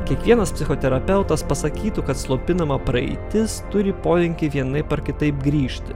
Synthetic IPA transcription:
kʲiɛkʋʲiɛnɐspʲsʲɪxot̪ʲɛɾɐpʲɛʊt̪ɐspɐsɐkʲiːt̪ukɐt̪slˠoːpʲɪnɐmɐpɾɐɛ̰ɪt̪ʲɪst̪ʊɾʲɪpoːlʲɛŋʲkʲɪʋʲiɛnɐɪpɐɾkʲɪt̪ɐɪp̚ɡɾʲiːʃʲt̪ʲɪ

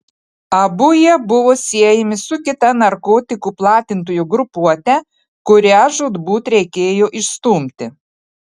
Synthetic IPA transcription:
ɐbʊjɛbʊʋoːsʲiɛjɛmʲɪsʊkʲɪt̪ɐnɐɾkoːt̪ʲɪkuplˠɑːt̪ʲɪnt̪oːjuɡɾʊpuɔt̪ʲɛ | kʊɾʲæːʒʊd̪buːt̪ɾʲɛɪkʲeːjoːʔɪʃst̪uːmʲt̪ʲɪ

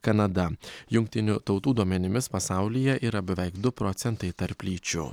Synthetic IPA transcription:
kɐnɐd̪ɐjʊŋk̚t̪ʲɪnʲut̪ɒʊt̪uːd̪uɔmʲɛnʲɪmʲɪspɐsɑˑʊlʲijɛʔiːɾɐbʲɛʋʲɛɪkd̪ʊpɾɔːt̪sʲɛnt̪ɐɪt̪ɐɾpʲlʲiːt͡ʃʲʊ̰

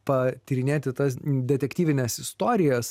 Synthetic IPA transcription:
pɐt̪ʲɪɾʲɪnʲeːt̪ʲɪt̪ɐsd̪ʲɛt̪ʲɛkt̪ʲiːʋʲɪnʲɛsɪst̪oːɾʲɪjɛs

